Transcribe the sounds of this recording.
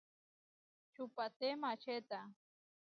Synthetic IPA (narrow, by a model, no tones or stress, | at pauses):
t͡ʃupat̪emat͡ʃet̪a